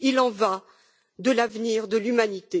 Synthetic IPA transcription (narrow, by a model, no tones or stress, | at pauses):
ilɑ̃va | d̪əlavniʁd̪əlymanit̪e